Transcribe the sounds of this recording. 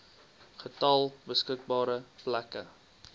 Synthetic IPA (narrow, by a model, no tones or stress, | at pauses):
χətɐlˠbəskək̚bɑːɾəplækə